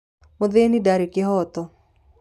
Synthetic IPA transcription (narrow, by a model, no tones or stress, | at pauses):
mʊd̪enidaɾikɪɦɔt̪ɔ